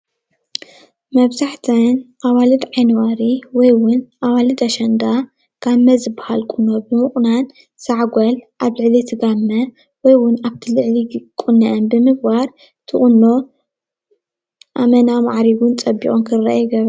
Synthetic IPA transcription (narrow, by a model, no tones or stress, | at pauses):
mɐβzaħt̪ʰɐnʔaβalɨd̪ʕajnwaɾiwɔjwʊnʔaβalɨd̪ɐʃɐnd̪a | ɡ̥amːɐzɨbahalkʼunːo̞bɨmɨχʼnan | saʕɡʷɐlʔaβlɨʕlit̪ʰɨɡamːɐ | wɔjwʊnaβt̪ʰilɨʕlikʼunːɐʔɐnbɨmɨɡ̚baɾ | t̪ʰɨχʼunːo̞ | ʔamɐnamaʕɾiɡʊnt͡sʼɐbːḭʔʼonkʰɨɾːa̰ʔjɡɐβɾɐ